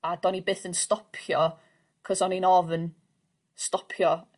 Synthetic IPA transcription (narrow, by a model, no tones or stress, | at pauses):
ad̥ɔnibeːθənstɔpʰjɔ | kʰɔsɔninɔvən | stɔpʰjɔ